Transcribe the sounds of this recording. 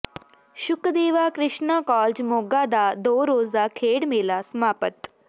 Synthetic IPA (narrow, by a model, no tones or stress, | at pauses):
ʃʊkd̪eːʋakɾɪʃɳakɔːld͡ʒmoːɡad̪ad̪oːɾoːd͡zakʰeːɽmelasəmaːpət̪